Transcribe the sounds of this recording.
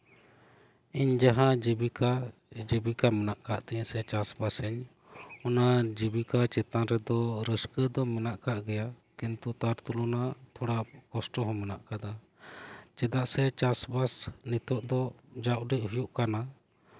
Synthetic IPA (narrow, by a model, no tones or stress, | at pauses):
iɲd͡ʒaɦãd͡ʒibikad͡ʒəbikamɛnaʔkaʔt̪ɛɛ̃sɛt͡ʃasbasɛɲ | ɔnad͡ʒibikat͡ʃɛt̪ãɾɛd̪ɔɾəskəd̪ɔmɛnaʔkaʔɡɛja | kint̪ut̪aɾt̪ulunat̪ʰɔɽaʔkɔsʈɔɦɔ̃mɛnaʔkad̪a | t͡ʃɛd̪aʔsɛt͡ʃasbasnit̪ɔʔd̪ɔd͡ʒaʔɖɛʔhujuʔkana